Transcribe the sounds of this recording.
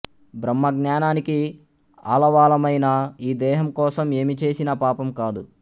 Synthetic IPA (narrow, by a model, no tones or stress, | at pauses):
bɾɐmːɐɡnaːnaːniki | a̰ːlɐʋaːlɐmɐjnaːiːd̪ɛːɦɐmkɔːsɐme̞ːmit͡ʃe̞ːsinɐpaːpɐmkaːd̪u